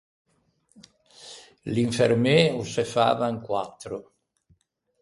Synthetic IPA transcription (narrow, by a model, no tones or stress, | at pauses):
liɱfermeusefa̰ːvaŋkwat̪ːɾo